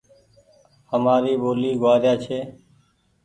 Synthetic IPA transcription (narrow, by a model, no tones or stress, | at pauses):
həmaːɾiːboːliːɡʊaːɾjaːt͡ʃʰeː